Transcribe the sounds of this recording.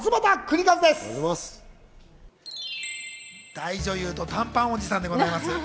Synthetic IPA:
zɨmat̪akɯ̟ɾʲikazɨd̪e̞sɨ̥s | d̪̥aiʑo̞jɯ̟ːt̪o̞t̪ãmpão̞d͡ʑisãnd̪e̞ɡo̞zaimasɨ

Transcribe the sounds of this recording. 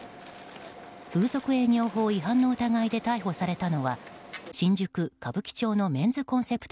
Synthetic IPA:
ɸɯ̟ːzo̞kɯ̟e̞ɲ̟ʲo̞ːɦo̞ːiɦãnːo̞ɯ̟t̪aɡaid̪e̞t̪aiɦo̞saɾe̞t̪ano̞βaɕĩɲ̟d͡ʑɨkɯ̟kabɯ̟kʲi̥t͡ɕo̞ːno̞mẽ̞nd͡zɨkõ̞ñse̞pɯ̟̥t̪

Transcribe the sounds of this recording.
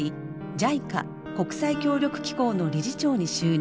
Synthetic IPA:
i | d͡ʑaika̰ | ko̞kɯ̟̥saikʲo̞ːɾʲo̞kɯ̟̥kʲi̥ko̞ːno̞ɾʲiɾit͡ɕo̞ːɲ̟iɕɨː

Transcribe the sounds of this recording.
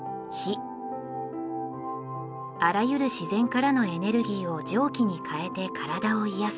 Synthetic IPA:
çi | aɾajɯ̟ɾɯ̟ɕizẽ̞ŋkaɾano̞e̞ne̞ɾɯ̟ɡʲiːo̞d͡ʑo̞ːkʲiɲ̟ikʰae̞t̪e̞kʰaɾad̪ao̞ijas

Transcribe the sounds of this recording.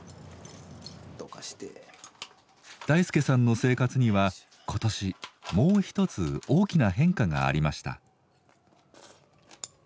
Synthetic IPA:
okaɕi̥t̪e | d̪̥aisɨ̥ke̞sãnːo̞se̞ːkat͡sɨɲ̟iβa | kʰo̞t̪o̞ɕimo̞ːçi̥t̪o̞t͡sɨo̞ːkʲinaɦẽ̞ŋkaɡa̰ːɾʲimaɕi̥t̪a̰

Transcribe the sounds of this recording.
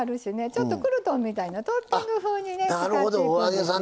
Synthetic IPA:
aɾɯ̟ɕine̞t͡ɕo̞t̪ːo̞kɯ̟ɾɯ̟t̪õ̞mmʲːit̪ainat̪opʲːiŋɡɯɸɯːɲ̟ine̞naɾɯhod̪ooaɡesã

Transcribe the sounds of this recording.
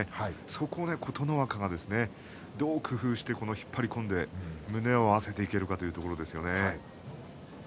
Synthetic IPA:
aso̞kʰo̞ne̞kʰo̞t̪o̞no̞βakaɡad̪e̞sɨne̞ | d̪o̞ːkʰɯ̟ɸɯ̟ːɕi̥t̪e̞ko̞no̞çi̥pʰːaɾʲikõ̞nd̪e̞mɯ̟ne̞o̞ase̞t̪e̞ike̞ɾɯ̟kat̪o̞jiɯ̟t̪o̞ko̞ɾo̞d̪e̞sɨjo̞ne̞

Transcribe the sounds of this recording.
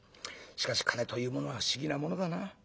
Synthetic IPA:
ɕi̥kaɕi̥kʰanet̪o̞jɯ̟ːmo̞no̞aɯɕiɡʲinamo̞no̞d̪ana

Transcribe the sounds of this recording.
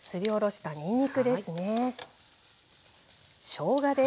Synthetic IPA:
sɨɾʲio̞ɾo̞ɕi̥t̪aɲ̟ĩɲ̟ːikɯ̟d̪e̞sɨne̞ | ɕo̞ːɡad̪e

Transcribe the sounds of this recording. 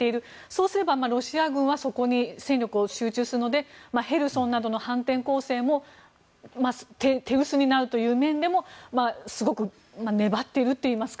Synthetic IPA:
e̞iɾɯ̟ | so̞ːsɨɾe̞bamaɾo̞ɕiaɡɯ̟̃ɰ̃βaso̞ko̞ɲ̟isẽ̞nʲo̞kɯ̟oɕɨːt͡ɕɨːsɨɾɯ̟nod̪emahe̞ɾɯ̟sõ̞nːad̪o̞no̞hãnt̪ẽŋko̞ːse̞ːmo̞ | mat̪et̪e̞ɯ̟sɨɲ̟inaɾɯ̟t̪o̞jɯ̟ːmẽ̞nd̪e̞mo̞masɨɡo̞kɯ̟ | mane̞bat̪ːe̞iɾɯ̟t̪ːe̞iːmasɨ̥k

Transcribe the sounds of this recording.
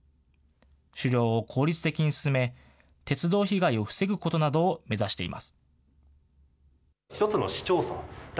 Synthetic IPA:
ɕɨɾʲo̞ːkʰo̞ːɾʲit͡sɨ̥t̪e̞kʲiɲ̟isɨ̥sɨme̞ | t̪e̞t͡sɨd̪o̞ːçiɡaio̞ɸɯ̟̥se̞ɡɯ̟ko̞t̪o̞nad̪o̞ːme̞zaɕi̥t̪e̞̰ḭma̰sɨ̥ | çi̥t̪o̞t͡sɨno̞̰ɕi̥t͡ɕo̞ːsa̰d̪

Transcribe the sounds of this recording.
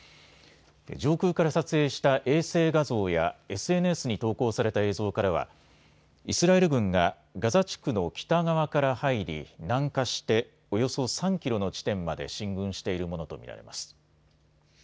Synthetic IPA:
d͡ʑo̞ːkɯ̟ːkaɾasat͡sɨe̞ːɕi̥t̪aʔe̞ːse̞ːɡazo̞ːja̰e̞sɨe̞nɯe̞sɨɲ̟it̪o̞ːko̞ːsaɾe̞t̪ae̞ːzo̞ːkaɾaβ̞a̰ | isɨɾae̞ɾɯ̟ɡɯ̟̃ŋɡa | ɡazat͡ɕi̥kɯ̟no̞kʲi̥t̪aɡaβakaɾahaiɾʲḭnãŋkaɕi̥t̪e̞ | o̞jo̞so̞sãŋkʲiɾo̞no̞t͡ɕi̥t̪ẽ̞mːad̪e̞̰ɕĩŋɡɯ̟̃ɰ̃ɕi̥t̪e̞iɾɯ̟mo̞no̞t̪o̞̰mʲḭɾa̰ɾe̞̰ma̰sɨ̥

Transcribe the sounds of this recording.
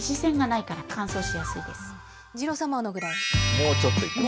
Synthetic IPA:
ɕisẽ̞ŋɡanaikaɾakʰãɰ̃so̞ːɕijasɨid̪e̞sɨ̥ | d͡ʑiɾo̞samaonoɡɯ̟ɾaimoːt͡ɕot̪ːoik

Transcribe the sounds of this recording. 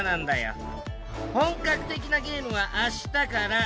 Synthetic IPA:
nãnd̪ajo̰ | hõ̞ŋkakɯ̟̥t̪e̞kʲinaɡʲe̞ːmɯ̟βaʔaɕi̥t̪akaɾa

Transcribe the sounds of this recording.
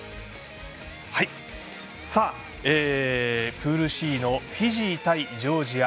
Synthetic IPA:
hai | saː | eːpɯːɾɯ̟ɕiːno̞ɸʲiʑiːt̪aid͡ʑo̞ːʑiɡa

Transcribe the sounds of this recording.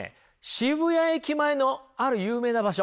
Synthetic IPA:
ɕiβɯ̟jaekʲimaeno̞aɾɯ̟jɯːme̞ːnabaɕo

